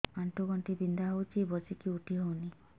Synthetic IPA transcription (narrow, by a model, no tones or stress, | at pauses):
anʈuɡɔɳʈibind̪aɦowt͡ʃʰibɔsikiuʈiɦowni